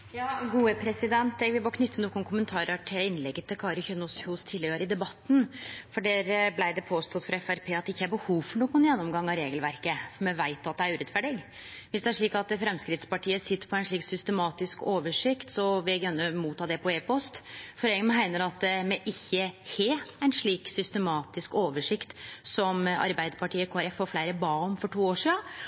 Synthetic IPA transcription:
jɑːɡuːəpʰɾɛsɪd̪ɛnt̪ɛɡʋɪbokʰnʏt̪ːənuːkɡʊnkʰʊmənt̪ʰɑːɾəʈʰɪlɪnːlɛɡːət̪ʰːɪlkʰɑːɾʊçønɔshʊst̪ʰɪlːɛɡəɾɪd̪ɛbɑt̪ːn̩fɔɖeːɾblæɪd̪ɛpʰoːst̪ɔt̪fɔɾɛfæɾpʰeːɑt̪̚d̪ɛɪçːəhæɾbəhuːʋfɔɳuːɡʊnjɛnːɔmɡɑŋːɑɾeːɡəlʋæɾkəmɛʋæɪt̪ɑt̪̚d̪ɛæɾʉːɾɛt̪fæɖɪɡ | ʋɪsd̪ɛæʂɭiːkɑt̪fɾɛmskɾɪt̪spɑʈʰiːəsɪt̪ːəɾpʰɔæɪnʂɭiːksʏst̪əmɑːt̪ɪskoːʋəʂɪkt̪sɔʋɛɡɾœnːəmuːt̪ʰːɑːd̪ɛpʰɔeːpɔst̪fɔɾɛːmɦæɪnəɾɑt̪̚d̪ɛmɛʔɪçːəheːæɪnʂɭiːksʏst̪əmɑːt̪ɪskoːʋəʂɪkt̪sɔmɑ̰ɾbæɪd̪əɾpɑʈʰiːəkʰoːæɾɛfːoːɾflæɪɾəbɑːɔmfɔʈʰuːoːʂiːɑ

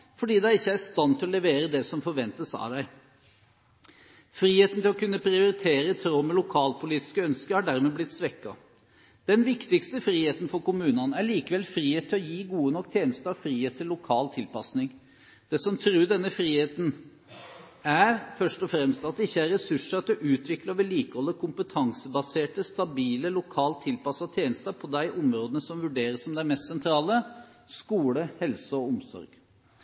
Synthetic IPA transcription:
fɔɖiːd̪æɪɪçːəæɾst̪ɑnt̪ʰɪlɔlɛʋeːɾəd̪ɛsɔmfɔɾʋɛnt̪əsɑ̰d̪æɪ | fɾiːheːt̪nt̪ɪlɔkʉnːəpʰɾɪʊɾɪt̪ʰeːɾət̪ʰɾoːmɛlʊkʰɑːlpʰʊliːt̪ɪ̥skəœnskəɾhɑɖæɾmeblɪt̪ːsʋɛkːɑ̰ | d̪̥ɛnʋɪkt̪ɪkst̪əfɾiːheːt̪n̩fɔɾkʊmʉːnɑnəæɭiːkəʋɛlfɾiːeːt̪ʰːɪlɔjiːɡuːənɔkːt̪ʰjeːnəst̪əɾɑʋfɾiːheːt̪ʰːɪlːʊkʰɑːlt̪ʰɪlpɑsnɪŋ | d̪̥ɛsɔmt̪ʰɾʉːɖ̪ɛnːəfɾiːheːt̪n̩ | æɾfœʂʈɔfɾɛmst̪ɑt̪d̪əɪçːəæɾɾɛsʉʂəɑt̪ɔʔʉːt̪ʰʋɪklɑʋɪliːkəhɔlːəkʰʊmpət̪ʰɑŋsəbɑseːʈəst̪ɑbiːləlʊkʰɑːlt̪ʰːɪlpɑsɑt̪ʰjeːnəst̪əpʰɔd̪æɪʔʊmɾoːd̪ənəsɔmʋʉɖeːɾəsɔmd̪ɛæmɛst̪sɛnt̪ʰɾɑːləskuːləhɛlsəɔʊmsɔ̰ɾɡ̥

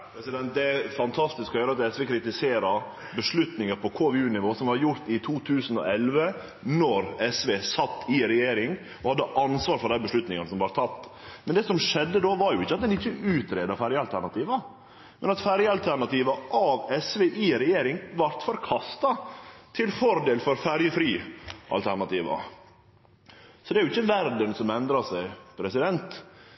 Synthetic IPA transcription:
pɛsɪd̪ɛnt̪̚d̪ɛfɑnt̪ʰɑst̪ɪskɔjøːɾəɑt̪ɛsʋeːkʰɾɪt̪ɪseːɾɑɾ | bəʂɭʉt̪nɪŋəɾpʰɔkʰoːʋɛʉːnɪʋoːsɔmʋɑɾjʊɾt̪ɪt̪ʰuːt̪ʰʉːsn̩ɔ̰ɛlʋə | nɔɾɛsʋeːsɑt̪ːɪɾɛjeːɾɪŋ | ʔɔhɑd̪ːəʔɑnsʋɑːɾfɔɾɖ̪æɪbəʂɭʉt̪nɪŋənəsɔmʋɑɾt̪ʰɑt̪ːmɛnd̪ɛːsɔmʂɛd̪ːəd̪oːʋɑɾjʊɪçːəɑt̪̚d̪ɛnɪçːəʔʉːt̪ɾeːd̪ɑfæɾjəɑlt̪ʰæɳɑt̪ʰiːʋɑ | mɛnɑt̪fæɾjəɑlt̪ʰæɾɳɑt̪iːʋɑʔɑʋɛsʋeːʔiːɾɛjeːɾɪŋʋɑɾt̪fɔɾkʰɑst̪ɑt̪ʰɪlfɔɾd̪eːlfɔɾfæɾjəfɾiːʔɑ̰lt̪ʰæɾɳɑt̪iːʋɑ̰ | sɔd̪ɛæɾjʊɪçːəʋæɾd̪ənsɔmɛnd̪ɾɑsæɪpʰɾɛsɪd̪ɛnt̪

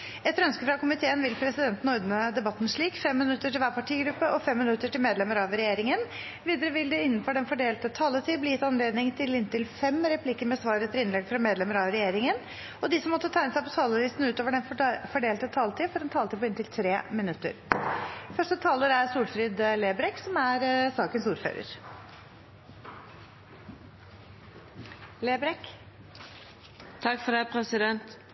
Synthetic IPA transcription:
ɛt̪ːɾœnskəfɾɑkʊmɪt̪ʰeːənʋɪlpʰɾɛsɪd̪ɛnt̪n̩ɔɾd̪nəd̪ɛbɑt̪ːn̩ʂɭiːkfɛmːɪnʉt̪ːəʈɪlʋæːɾpʰɑʈʰiːɡɾʉpːəʔɔfɛmːɪnʉt̪ːəʈɪlmeːd̪lɛmːəɾɑʋɾɛjeːɾɪŋən | ʋiːd̪əɾəʋɪld̪ɛɪnːənfɔɖɛnfɔɖeːlt̪ət̪ʰɑːlət̪ʰiːbliːjɪt̪ɑnleːd̪nɪŋt̪ʰɪlɪnt̪ɪlfɛmɾɛplɪkəɾmɛsʋɑːɾət̪ʰɪɾɪnlɛɡfɾɑmeːd̪lɛmːəɾɑʋɾɛjeːɾɪŋən | ɔd̪ɪsɔmːɔt̪ːət̪ʰæɪnəsæɪpɔt̪ʰɑːləlɪst̪n̩ʉːt̪oːʋəɖɛnfɔɖeːlt̪ət̪ʰɑːlt̪ʰiːfɔɾɛnt̪ʰɑːlt̪iːpɔɪnt̪ɪlt̪ʰɾeːmɪnʉt̪ːə̰ɾ | fœʂʈət̪ʰɑːləɾæɾsuːlfɾɪd̪leːbɾɛksɔmæɾsɑːkənsuːɾfø̰ːɾə̰ɾ | leːbɾɛk | t̪ʰɑkːfɔd̪æpʰɾɛsɪd̪ɛnt̪

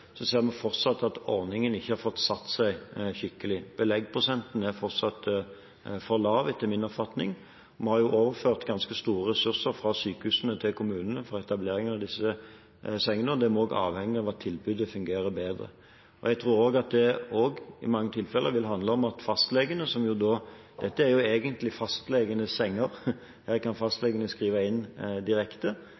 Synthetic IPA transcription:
sɔseːɾmɛfɔʁt̪sɑt̪ːɑt̪ɔʁnɪŋənɪçːəhɑɾfɔt̪ːsɑt̪ːsæɪçɪkːəlɪb̥əlɛɡpʰɾʊsɛnt̪n̩æɾfɔʁt̪sɑt̪ | fɔʁlɑːʋɛt̪ʰːəmɪnɔpfɑt̪nɪ̰ŋ | mɛhɑʁjʊʔoːʋəɾføːʁt̪ɡɑnskəst̪uːɾəʁɛsʉʁsəɾfɾɑsyːkəhʉːsənət̪ʰɪlkʰʊmʉːnənəfɔʁɛt̪ɑbleːɾɪŋɑʋd̪ɪsːə | sɛŋːənəɔd̪ɛmɔoːɡɑ̰ːʋhɛŋːəɑʋɑt̪ʰːɪlbʉd̪əfʉŋɡeːɾəbeːd̪ʁə̰ | ɔ̰jɛɡt̪ʰɾuːɾoːɡɑt̪̚d̪ɛoːɡɪ̰mɑŋːət̪ʰɪlfɛlːəʋɪlɦɑnd̪ləɔmɑt̪fɑst̪lɛɡənəsɔmjʊd̪oː | d̪̥ɛt̪ːəæɾjʊeːɡənt̪lɪfɑst̪lɛɡənəsɛŋːəɾ | hæːkʰɑnfɑst̪lɛɡənəskʁiːʋɑɪnːd̪ɪɾɛkt̪ə

